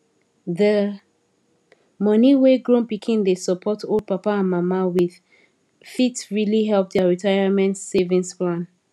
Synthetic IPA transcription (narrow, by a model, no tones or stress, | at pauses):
ðə | mɔniweɡɹõnpikʰĩndesəpʰɔtold̚papaãnmamawið̥ | fitɹiliɦɛlp̚dɛɹitʰaɪamɛ̃ntsevĩnsplãn